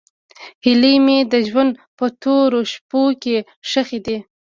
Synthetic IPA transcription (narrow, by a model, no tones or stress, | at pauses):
hɪlimed̪əʒwand̪pət̪oɾoʃpoke | ʂəxed̪i